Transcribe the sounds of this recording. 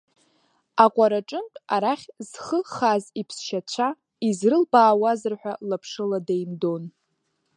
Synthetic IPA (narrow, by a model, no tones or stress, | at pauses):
aqʷʼaɾaʈ͡ʂʼɨntʼaɾaχʲz̥χəχazipʰsʃat͡ɕʷʰa | izrɨlbaːwazɨrħʷᶣalapʰʂɨladejmdo̞n